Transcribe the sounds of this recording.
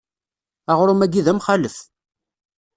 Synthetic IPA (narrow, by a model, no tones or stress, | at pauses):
aʁɾʊmæɡiðæmχaləf